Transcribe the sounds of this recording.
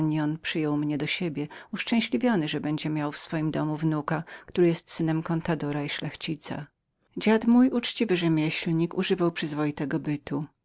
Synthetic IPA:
ɲjɔnpʂɘjɔwmɲɛd̪ɔɕebʲjɛuʂt͡ʂɛ̃w̃ɕlʲivʲjɔnɘʐɛbɛɲd͡ʑɛmʲjawfsfɔjimd̪ɔmuvnukakt̪uɾɘjɛst̪sɘnɛmkɔnt̪ad̪ɔɾaiʂlɛxt͡ɕit̪sa̰ | d͡ʑad̪mujʔut͡ʂt͡ɕivɘʐɛmʲjɛɕlɲikuʐɘvawpʂɘzvɔjit̪ɛɡɔbɘt̪u

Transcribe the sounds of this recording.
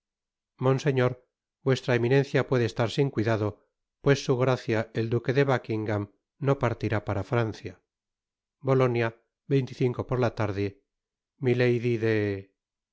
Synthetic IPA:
mõ̞nse̞ɲoɾ | bwe̞st̪ɾaemĩnenθjapwe̞ðest̪aɾsiŋkwiðaðo̞ | pwe̞sːuɣɾaθjaeld̪uke̞ðe̞βakiŋɡam | no̞paɾt̪iɾapaɾafɾanθja | bo̞lo̞nja | be̞jnt̪iθiŋko̞po̞ɾlat̪aɾðe | milejðiðe

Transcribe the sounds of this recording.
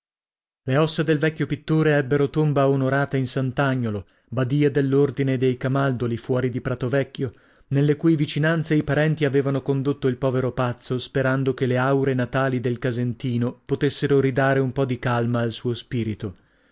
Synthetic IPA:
leɔsːed̪elvɛkʲːjopit̪ːoːɾeɛbːeɾot̪ombaonoɾaːt̪ainsant̪aɲːolo | bad̪iːad̪elːord̪ined̪ejkamald̪olifwɔːɾid̪ipɾat̪ovɛkːjo | nelːekuːjvit͡ʃinant̪seipaɾɛnt̪iaveːvanokond̪ot̪ːoilpɔːveɾopat̪sːospeɾand̪okeleawɾenat̪aːlid̪elkazent̪iːnopot̪esːeɾoɾid̪aːɾeumpɔd̪ikalmaːlsuːospiːɾit̪o

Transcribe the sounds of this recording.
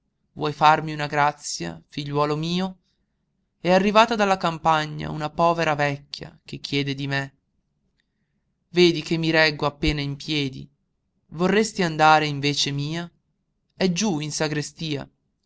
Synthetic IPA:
vwʔɔjfarmiunaɡɾat̪sːja̰fiʎːwɔːlomiːo | ɛarːivaːt̪ad̪alːakampaɲːa̰unapɔːveɾavɛkʲːja̰k̟ekːjɛːd̪ed̪ime | veːd̪ikemːiɾɛɡːoapːeːnaimpjɛːd̪ḭ | vorːest̪iand̪aːɾeiɱveːt͡ʃemiːa | ɛd͡ʒuinsaɡɾest̪iːa̰

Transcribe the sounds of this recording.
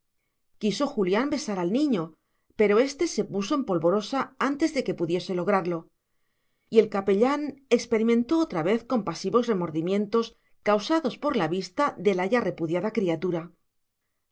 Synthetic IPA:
kiso̞xuljambe̞saɾalnĩɲo̞ | pe̞ɾo̞e̞st̪e̞se̞puso̞e̞mpo̞lβo̞ɾo̞saant̪e̞zðe̞ke̞puðje̞se̞lo̞ɣɾaɾlo̞ | ie̞lkape̞ʎane̞kspe̞ɾimẽ̞nt̪o̞ot̪ɾaβe̞θko̞mpasiβo̞sre̞mo̞ɾðimjẽ̞nt̪o̞s | kawsaðo̞spo̞ɾlaβist̪aðe̞laʝare̞puðjaðakɾiat̪uɾa

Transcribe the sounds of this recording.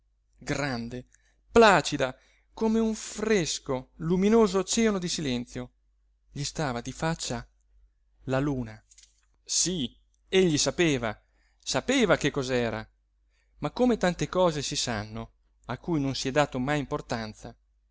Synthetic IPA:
ɡɾand̪e | plaːt͡ʃid̪a | komeũɱfreskoluminoːzot͡ʃɛonod̪isilɛnt̪sjo | ʎist̪aːvad̪ifat͡ʃːa | laluːna | si | eʎːisapeːva | sapeːvakekːɔzɛːɾa̰ | makːomet̪ant̪ekɔːzesisanːo | akːujnonsiɛd̪ːaːt̪omajimport̪ant̪sa

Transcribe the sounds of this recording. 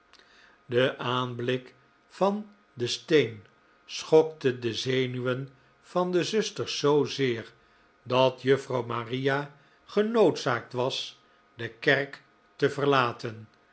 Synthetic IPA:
dəʔaːnblɪk | fɑn | dəstejn | sχɔk̚tədəzejnyʋən | v̥ɑndəzɵstəɹzowzɪːɹ | dɑtjøfrɑwmaːrija | χənowtsaːk̚tʋɑs | dəkɛrk | təvərlaːtən

